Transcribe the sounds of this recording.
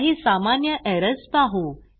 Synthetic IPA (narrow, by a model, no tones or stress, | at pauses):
ɦiːsamanjəʔɛɾəspaɦo